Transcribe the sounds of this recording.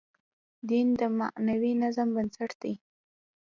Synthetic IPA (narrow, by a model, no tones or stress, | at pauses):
d̪ind̪əma̰ʔnawinazambənsaʈd̪̥aj